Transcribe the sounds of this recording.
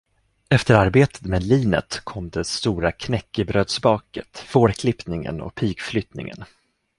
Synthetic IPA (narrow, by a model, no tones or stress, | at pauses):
ɛft̪əɾaɾbeːt̪ʰə̥t̪meːd̪liːnə̰t̪kʰɔmːd̪ɛst̪uːɾakʰnɛkːəbɾøːd̪sbɑːkət̪foːɾkʰlɪpnɪŋə̰nɔ̰k̚pʰiːɡflʏt̪nɪ̰ŋə̰n